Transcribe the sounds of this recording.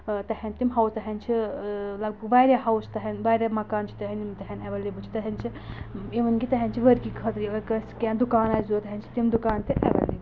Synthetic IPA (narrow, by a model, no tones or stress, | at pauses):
t̪ɐhent̪imɦɐwst̪ɐɦɐnt͡ʃʰilɐɡ̚bɐɡʋaːɾʲjaɦɐwst̪ɐɦɐnʋaːɾʲamɐkaːnt͡ʃʰi̥t̪ɐɦɐnimt̪ɐɦɐnɐʋɐlibut͡ʃʰi̥t̪ɐɦɐnt͡ʃʰiiʋɐnkit̪ɐɦent͡ʃʰiʋɐɾkikʰɐt̪ɾiɡɐɾkɐnskʲãːd̪ukaːnaːjzuːt̪ɐɦent͡ʃʰi̥t̪imd̪ukaːnt̪ʰiʔɛ̰ʋɐ̰lːḭb